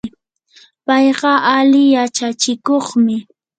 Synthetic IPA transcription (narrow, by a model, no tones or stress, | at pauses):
pɑjɢɑʔalɪjat͡ʃat͡ʃɪkoχmɪ